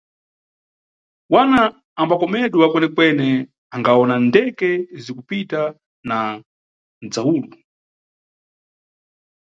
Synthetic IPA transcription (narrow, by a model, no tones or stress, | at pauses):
wana | ambakɔmɛɗwɛwakwɛnɛkwɛnɛ | aŋɡaɔnandɛkɛzikupita | na | nd͡zauːlu